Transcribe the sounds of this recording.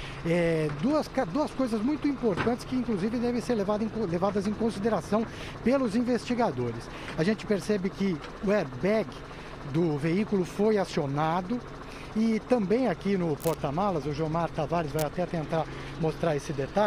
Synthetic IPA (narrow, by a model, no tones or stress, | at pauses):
ɛd̪uɐskad̪uɐskojzɐzmũj̃t̪ʊĩmpoɾt̪ɐ̃nt͡ʃɪ̥skɪĩŋkluzivɪ̃d̪ɛvẽj̃seɾlevad̪ẽj̃klevad̪ɐzẽj̃kõsid̪eɾasɐ̃w̃ | pelʊzĩvest͡ʃiɡad̪oɾɪs | aʒẽnt͡ʃɪ̥peɾsɛbɪkɪ | ʊɛɾbɛɡɪ | d̪ʊveikʊlʊfojasionad̪ʊ | ɪt̪ɐ̃mbẽj̃akinʊpoɾt̪ɐmalɐzʊʒɐ̃w̃maɾt̪avaɾɪzvajat̪ɛt̪ẽnt̪aɾ | most̪ɾaesɪd̪et̪a